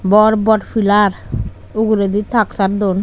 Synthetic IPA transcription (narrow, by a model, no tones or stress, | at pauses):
bɔɾbɔʈfʰilaɾ | uɡuɾed̪it̪ʰaksaɾd̪on